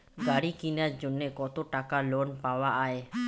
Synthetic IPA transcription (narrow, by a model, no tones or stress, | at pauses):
ɡaɽikinjaɾd͡ʒonːekɔt̪oʈakalonpawaʔae